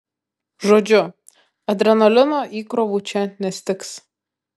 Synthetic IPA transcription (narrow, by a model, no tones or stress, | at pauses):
ʒoːd͡ʒʲʊ | ɐd̪ʲɾʲɛnolʲɪnoːʔiːkɾɔʋuːt͡ʃʲɛnʲɛsʲt̪ʲɪks